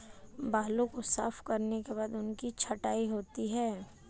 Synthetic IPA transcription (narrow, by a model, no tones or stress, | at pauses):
baːlõkosa̰ːfkɐɾnekeβaːd̪ʊnkit͡ʃʰɐʈaːiɦoːt̪iɦɛː